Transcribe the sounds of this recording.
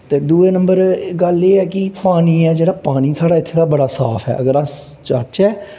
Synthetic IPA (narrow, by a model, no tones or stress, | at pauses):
t̪eːd̪uːeːnə̃mbəɾɡəleːɛːkɪpaːniːɛːd͡ʒeːɽaːpaːñiːsaːɽaːɪt̪ʰːeːt̪aːbəɽaːsaːpʰɛ̰ːʔəɡəɾãː | t͡ʃət͡ʃɛː